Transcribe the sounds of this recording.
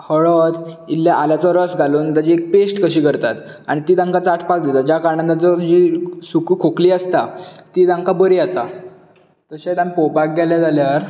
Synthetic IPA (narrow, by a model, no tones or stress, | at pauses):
həɭɔt̪ilːjaʔaljat͡sɔɾəsɡʱaluːnd̪ad͡ʑiek̚pesʈkəɕiːkəɾt̪at̪ | aɽ̃it̪iːt̪ãŋkat͡saʈʰpak̚d̪it̪ad͡ʑakaɾɳad̪at͡sɔd͡ʑisukukʰokliːəst̪at̪iːt̪ãŋkabəɾiat̪a | t̪əɕat̪ampopak̚ɡaljad͡zaljaɾ